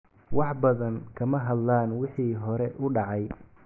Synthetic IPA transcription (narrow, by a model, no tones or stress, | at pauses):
wɑħbɐðɐŋkʰɐmɐɦɐd̪laːnwɪħiːɦɔɾɛʔʊɖɑʕɑj